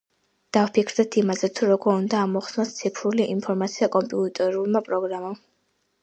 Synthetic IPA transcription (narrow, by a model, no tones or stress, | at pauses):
d̪̥afpʰikʰɾd̪ɛt̪ʰimazɛt̪ʰuɾɔɡɔɾund̪aːmɔχsnɔst̪sʰipʰɾuliʔinpʰɔɾmat̪sʰiakʼɔmpʼiut̪ʼɛɾulˠmapʼɾɔɡɾamam